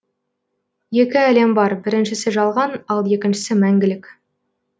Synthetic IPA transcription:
je̞kʲɪæle̞mbɑɾbɪɾɪnʃɪsɪʒɑlˠʁɑnɑlˠje̞kʲɪnʃɪ̥sɪmæŋɡʲɪlɪkʲ

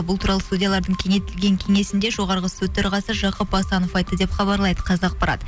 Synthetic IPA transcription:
bʊlˠt̪uɾɑlˠəst̪udʲijɑlˠɑɾd̪əɴkʲʰe̞ŋe̞jt̪ɪlɡʲe̞ŋkʲʰe̞ŋe̞sɪnd̪e̞ʒo̞ʁɑɾʁəsɵt̪ːeɾʁɑsəʒɑqəpɑsɑnofɑjt̪ːəd̪e̞pχɑbɑɾlˠɑjd̪əqʰɑzɑɑq̚pɑɾɑ̰t̪

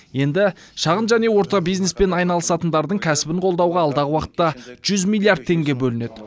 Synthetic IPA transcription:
je̞nd̪ɪʃɑʁənʒæne̞wo̞ɾt̪ɑbijzne̞spe̞nɑjnɑlˠəsɑt̪ənd̪ɑɾd̪əɴkʲʰæsɪbɪɴqʰo̞lˠd̪ɑwʁɑːlˠd̪ɑʁəwɑqə̥t̪ːɑʒ̥ʏzmijlʲːˠijaɾd̪̚t̪ʰe̞ŋɡʲe̞bɵlɪne̞d̪ɪ

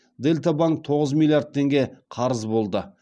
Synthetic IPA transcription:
d̪e̞lt̪abaŋk̚t̪ʰo̞ʁəzmilˠjard̪̚t̪ʰe̞ŋɡʲe̞qʰɑɾəzbo̞lˠd̪ə

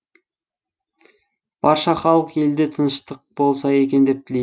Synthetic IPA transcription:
b̥ɑɾʃɑχɑlˠəqe̞ld̪e̞t̪ʰənəʃt̪əq̚bo̞lˠs̬ɑje̞kʲe̞nd̪e̞p̚t̪ʰɪlej

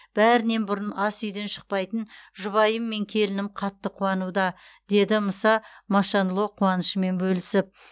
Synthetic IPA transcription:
b̥æɾɪne̞nbʊɾənɑsʏjd̪e̞nʃə̥q̚pɑjt̪ənʒʊβɑjəmːe̞ŋkʲʰe̞lɪnɪmqʰɑt̪ːəqʰuɑnud̪ɑ | d̪̥e̞d̪ɪməsɑmɑʃɑnlˠo̞qʰuɑnəʃəme̞nbɵlɪsɪp̚

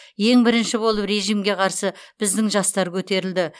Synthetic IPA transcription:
je̞ŋbɪɾɪnʃɪbo̞lˠəpɾe̞ʒijmɡʲe̞qʰɑɾsəb̥ɪzd̪ɪŋʒɑst̪ɑɾkʲʰɵt̪e̞ɾɪld̪ɪ

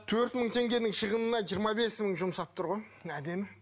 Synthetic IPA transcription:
t̪ʰɵɾt̪məɴt̪ʰe̞ŋɡʲe̞nɪŋʃəʁənənɑʒijəɾmɑbe̞sməɴʒʊmsɑp̚t̪ʰʊɾʁo̞jæd̪e̞mɪ

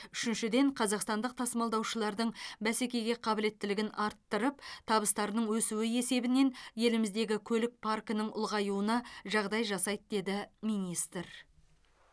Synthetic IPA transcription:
ʏʃɪnʃɪd̪e̞ɴqʰɑzɑqst̪ɑnd̪əq̚t̪ʰɑsəmɑlˠd̪ɑwʃəlˠɑɾd̪əɴbæse̞kʲe̞jɡʲe̞qʰɑbɪle̞t̪ːɪlɪɡʲɪnɑɾt̪ːəɾəp̚t̪ʰɑbəst̪ɑɾənəɴwɵsuwɪe̞se̞bɪne̞nje̞lɪmɪzd̪e̞ɡʲɪkʲʰɵlɪk̚pʰarkənəɴʊ̰lˠʁɑjuənɑʒɑʁd̪ɑjʒɑsɑjt̪d̪e̞d̪ɪmijnist̪əɾ

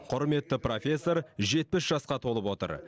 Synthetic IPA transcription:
qʰʊɾme̞t̪ːɪpro̞fʲe̞sːo̞ɾʒe̞t̪̚pɪsʒ̥ɑsqɑt̪ʰo̞lˠəpwo̞t̪ə̰ɾ

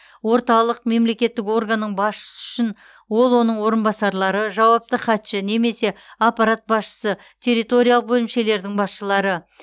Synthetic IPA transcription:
wo̞ɾt̪ɑlˠəq̚me̞mle̞kʲe̞t̪ːɪko̞rɡanːəɴbɑsʃə̥səʏʃɪn | wo̞lˠwo̞nəɴwo̞ɾənbɑsɑɾlˠɑɾəʒɑwɑp̚t̪əχɑt̪ʃɪne̞me̞se̞apːɑɾat̪̚bɑsʃə̥sə | t̪ʰe̞ɾijt̪o̞ɾʲijalˠəbɵlɪmʃe̞le̞ɾd̪ɪŋbɑsʃəlˠɑɾə

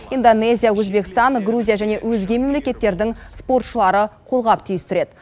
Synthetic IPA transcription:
ind̪one̞zʲijawɵzbe̞kʲɪ̥st̪ɑŋɡruzʲijaʒæne̞wɵzɡʲe̞me̞mle̞kʲe̞t̪ːe̞ɾd̪ɪŋspo̞rt̪ʃəlˠɑɾəqʰo̞lˠʁɑpt̪ʰijɪst̪ɪɾe̞d̪

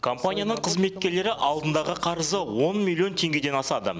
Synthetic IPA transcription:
kʰo̞mpanʲijanəɴqʰəzme̞t̪̚kʲe̞ɾle̞ɾɪʔɑlˠd̪ənd̪ɑʁəqʰɑɾəzəwo̞nmʲilʲːjio̞nt̪ʰe̞ŋɡʲe̞d̪e̞nɑsɑd̪ə̰

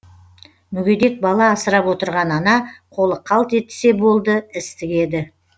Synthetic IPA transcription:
mʏɡʲe̞d̪e̞k̚bɑlˠɑːsəɾɑpwo̞t̪əɾʁɑnɑnɑqʰo̞lˠəqʰːɑlˠt̪e̞t̪ɪ̥se̞bo̞lˠd̪əɪst̪ɪkʲe̞d̪ɪ

